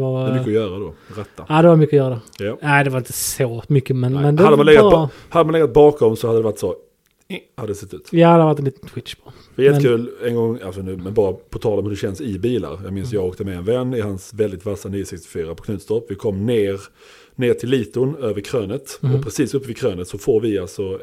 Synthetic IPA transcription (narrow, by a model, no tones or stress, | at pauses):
ɑɾdmʏkːəɔjœːɾad̪oɾɛt̪ːaad̪ɛvamʏkːəɔjœːɾad̪ɛjanæɪd̪ɛvaɾɪnt̪ə̥soːmʏkːəmɛnmɛnd̪ad̪əmanlɛɡa | had̪əmanlɛɡːat̪̚bɑːkɔmsɔhad̪əd̪ɛvaʈːsɔ | ɛhad̪ədɛsɛt̪ːʉ̟ːt̪jad̪vat̪ːɛnliːt̪ənt̪ʰwɪt̪ʂpʰː | vɪjɛt̪k̪kʰʉ̟ːlɛnɡɔŋːalsɔnʉ̟ːmɛnbɑːɾapʰɔt̪ʰɑːlɔmhɵɾɛɕɛnsɪbiːla̰ɾjɑːɡmɪnsjɑːɡoːk̚t̪əmɛɛnvɛnːɪhansvɛld̪ɪt̪vasaniːʊsɛkst̪ɪ̥fyːɾapʰɔkʰnʉ̟ːt̪st̪ɔpvɪkʰɔmːneːɾ | neːʈʰɪlːiːt̪ʊnøːvəɾkʰɾøːnət̪ɔpʰɾɛsiːsɵpːəvɪkʰɾøːnət̪sɔfoːɾvɪalsɔ